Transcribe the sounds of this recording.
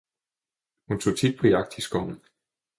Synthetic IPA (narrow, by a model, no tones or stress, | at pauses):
hunt͡sʰo̝̰ːt͡sʰid̥̚pʰɒ̽jɑ̈ɡ̥̚d̥isɡ̥ɒ̰n̩